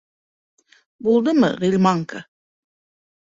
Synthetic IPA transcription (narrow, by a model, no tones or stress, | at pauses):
bulˠd̪ɯmɯ̰ʁilʲmɑŋkʰə